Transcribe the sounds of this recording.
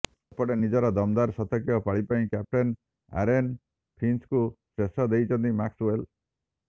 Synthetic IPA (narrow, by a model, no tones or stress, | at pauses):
pɔɽenid͡ʒɔɾɔd̪ɔmd̪aɾsɔt̪ɔkjɔpaɭipaĩkap̚ʈen | a̰ɾen | pʰɾinskusɾesɔd̪ejt͡ʃʰɔnt̪imaksuwel